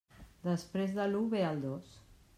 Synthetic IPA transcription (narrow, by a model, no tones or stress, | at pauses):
d̪əspɾezðəluβealˠd̪os